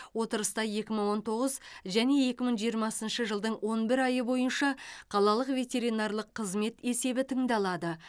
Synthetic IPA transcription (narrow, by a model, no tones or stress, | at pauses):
wo̞t̪əɾəst̪ɑje̞kʲɪməɴwo̞nt̪ʰo̞ʁəzʒæne̞je̞kʲɪməɴʒijəɾmɑsənʃəʒəlˠd̪əɴwo̞nbɪɾɑjəbo̞jənʃɑqʰɑlˠɑlˠəqvʲe̞t̪ʲe̞ɾinɑrlˠəqʰːəzme̞t̪e̞se̞bɪt̪ʰəɴd̪ɑlˠɑd̪ə